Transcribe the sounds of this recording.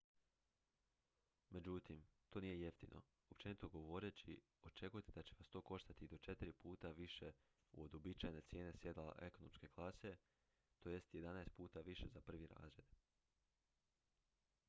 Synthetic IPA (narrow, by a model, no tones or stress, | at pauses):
me̞d͡ʑut̪imt̪o̞ːnije̞je̞ft̪inʔo̞̰ | op̚t͡ʃe̞nit̪o̞ɡo̞ʋo̞ɾe̞t͡ɕi | o̞t͡ʃe̞kujet̪id̪at͡ɕe̞ʋast̪o̞ːko̞ʃt̪at̪id̪o̞t͡ʃe̞t̪iɾipuːt̪aʋiʃe̞ | ṵod̪obit͡ɕajne̞t̪sje̞ːne̞sje̞d̪ala̰ʔe̞ko̞no̞mske̞klˠase̞ | t̪o̞ːje̞st̪je̞d̪anaest̪puːt̪aʋiʃe̞zapr̩ʋiɾa̰ːzɾe̞d̪